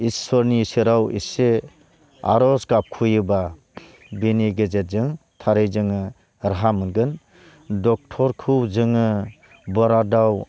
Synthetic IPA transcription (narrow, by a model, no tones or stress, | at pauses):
istʰɔɾnisiɾawḭse | a̰ɾɔsɡap̚kʰujɯba | beniɡezet̚zɯŋtʰaɾɯjzɯŋɯ | ɾaɦamɯnɡɯn | dɔk̚tʰɔɾkʰɯwzɯŋɯ | bɔɾadaw